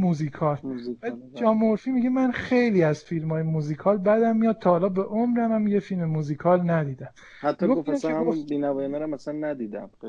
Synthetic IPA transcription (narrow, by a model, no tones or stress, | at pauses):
muzikʰɒːlæd͡ʒɒːmoɾfimiɟemænxejliːæzfilmɒːjemuziːkʰɒːlbæd̪æmːijɒːd̪̥̚t̪ʰɒhɒːlɒːbeʔomɾæmæmjefilmemuziːkʰɒːlnæd̪iːd̪æm | hæt̪ːɔɡoɡofnæshmbiːnævɒːjenæɾæmæsænːæd̪iːd̪æ̰m